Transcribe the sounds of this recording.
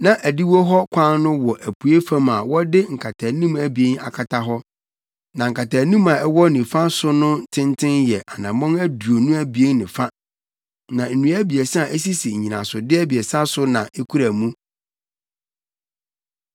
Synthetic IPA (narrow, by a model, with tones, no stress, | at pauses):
nã˨ʔæ˨di˦wo˦ɦɔ˦kʷʰã˦nnʊ̃˦wɔ˨ʔæ˨pʰu˨e˦fã˦ma˨wɔ˦dɪ˦ŋ̩˨kʰa˨tʰa˨nũ˦mæ˨bi˨e˦n˦a˨kʰa˨tʰa˦ɦɔ˦ | nã˨ŋ̩˨kʰa˨tʰaː˨nũ˦mã˨ɛ˦wɔ˦nɪ̃˨fa˦sʊ˦nʊ̃˦tʰɪ̃˦ntʰɪ̃˦njɛ˨ʔa˨nã˨mɔ̃˦næ˦du˨o˨nũ˦æ˦bi˨e˦n˦nɪ̰̃˨fa˦ | nã˨n̩˨nũ˨˦æ˦bi˨ɛ˨sʔæ˦si˦si˨ɲ̩˨ɲĩ˨nã˨sʊ˨dɪ˦æ˦bi˨ɛ˨sa˦sʊ˦nã˨ʔe˦kʰu˦ɾæ˨mũ˦